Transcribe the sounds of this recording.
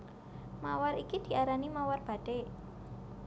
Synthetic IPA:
mawaɾikid̪̥i̤ʔaɾanimawarb̥a̤d̥e

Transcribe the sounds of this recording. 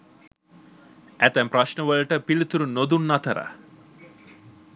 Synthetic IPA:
æt̪ɛmpɾɐʃɳəʋəlʈəpilit̪uɾunːod̪unːɐt̪ʰɐɾa̰

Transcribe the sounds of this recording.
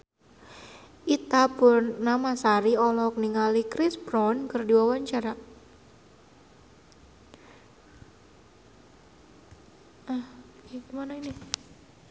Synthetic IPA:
ʔit̪apʊrnamasaɾiɔlɔk̚niŋalikɾɪsbɾɔnkərdiwawaɲt͡ʃaɾa | ahkekimanaini

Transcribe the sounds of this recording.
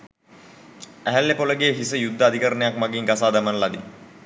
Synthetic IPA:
æɦælːepoləɡeːɦisəjud̪ːəad̪ʱikəɾənejakmaɡiŋɡasaːd̪amənəlad̪ḭ

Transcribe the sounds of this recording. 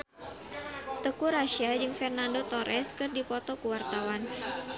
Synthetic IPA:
t̪əkuɾaʃiad͡ʒɨŋfɛrnandot̪oɾʔɛskɨrdipɔt̪ɔkuwart̪awan

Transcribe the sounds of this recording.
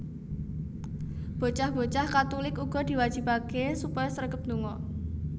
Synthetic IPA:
b̥o̤t͡ʃahb̥o̤t͡ʃahkat̪ulɪkuɡ̥ɔ̤d̪̥i̤wad̥ʒ̥i̤pakesupɔjɔsəɾrɡəp̚nd̪uŋɔ

